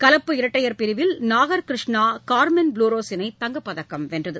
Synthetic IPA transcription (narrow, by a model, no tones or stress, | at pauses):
kɐlɐpːɯɪɾɐʈːɐjɐɾpɪɾɪʋɪlnaːɣɐɾkɾɪʂɳaːkaːɾmɛnbluːɾoːsɪnɐɪt̪ːɐŋɡɐpːɐðɐkːɐmʋɛndrɐðɯ